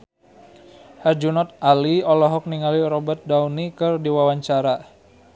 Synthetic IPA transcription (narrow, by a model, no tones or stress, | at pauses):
hard͡ʒunɔt̪̚aliɔlɔɦɔk̚niŋaliɾɔbat̪̚daunikɨrdiwawaɲt͡ʃaɾa